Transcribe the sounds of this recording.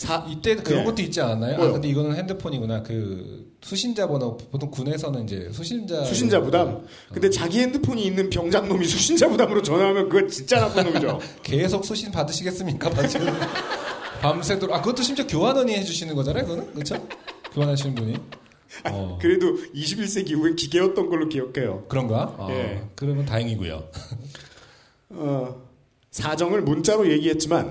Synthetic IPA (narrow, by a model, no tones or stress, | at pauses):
sʰait͈e̞dkɯɾʌŋɡʌt͈oit̚t͡ɕ͈iananːajoakɯnde̞iɡʌnɯnhe̞ndɯpʰoɲiɡunakɯ | sʰuɕʰind͡ʑabonapotʰoŋkune̞s̬ʰʌnɯnind͡ʑe̞̰sʰuɕʰind͡ʑasuɕʰind͡ʑabodam | kɯndet͡ɕaɡihe̞ndɯpʰoɲiːnːɯnpjʌŋd͡ʑaŋnomisʰuɕʰind͡ʑabodamɯɾot͡ɕʌnamjʌnkɯɡʌt͡ɕint͡ɕ͈anapʰɯnomid͡ʑo | ke̞sʰok̚s͈ʰuɕʰinpadɯɕʰiɡe̞s͈ɯmɲik͈apad͡ʑi | pams̬ʰedɯɾakɯɡʌtʰoɕʰimt͡ɕakjoɦanʌɲiɦed͡ʑuɕʰinɯnɡʌd͡ʑanajokɡʌnɯnkɯt͡ɕʰokjoɦanaɕ̬ʰinnbuɲi | aʌ̰kɯɾe̞doiɕʰibiɭs͈e̞k̬iɦuekiɡe̞ʌt̚t͈ʌnɡʌɭːokijʌkʰe̞jo̰kɯɾʌnɡaa̰jekɯɾʌmʌntaɦeŋiɡṵjo̰ | ʌ | sʰad͡ʑʌŋɯɭmunt͡ɕ͈aɾoje̞ɡiɦe̞t̚t͡ɕ͈iman